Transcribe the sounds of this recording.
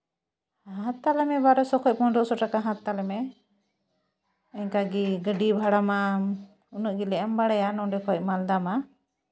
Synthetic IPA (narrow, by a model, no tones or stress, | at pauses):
ɦãt̪ːalɛmɛbaɾɔsɔkʰɔc̚pɔɖɔʔsɔʈakaɦãt̪t̪ːalɛmɛ | ɛɲkaɡiɡəɖibʱaɽama | unuʔɡilɛʔɛmbaɽɛjanɔɖɛkɔɔc̚mald̪ama